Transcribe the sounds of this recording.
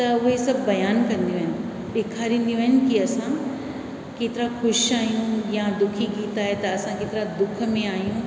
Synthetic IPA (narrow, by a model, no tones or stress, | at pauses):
t̪ɐʊɦesɐbbɐjaːnkɐ̃nd̪ijoɦɪnɪ̆ | ɓeːkʰaːɾĩːn̆d̪ijõɦɪnɪ̆kiɐsã | keːt̪ɪɾaxʊʃaːɦijũjad̪ʊkʰiɡiːt̪aːɦet̪ɐːsãkeːt̪ɪɾad̪ʊkʰmẽaːɦijũ